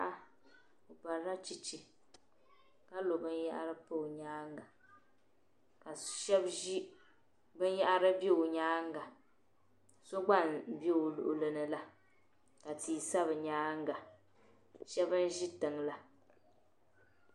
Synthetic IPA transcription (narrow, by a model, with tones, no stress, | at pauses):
a˦ | o˨pa˨ɾa˦t͡ʃi˨t͡ʃi˨ | ka˦lo˨bɨ˦nja̰˦ʔa̰˦ɾɨ˦po˦˨ɲaː˦ŋ˦ɡa˨ | ka˨ʃɛ˦bi˦ | bɨ˦n˦jɛ˦ʔa˦ɾɨ˦be˦o˨ɲaː˦ŋ˦ɡa˨ | so˦ɡ͡ba˦˨nbe˦o˨lʊ̰˨ʔʊ˨lɨ˨nɨ˨la˦ | ka˨tiː˨sa˦βɨ˨ɲaː˦ŋ˦ɡa˨ | ʃɛ˦bɨ˦n˦ʒi˦tɨ˨ŋla˦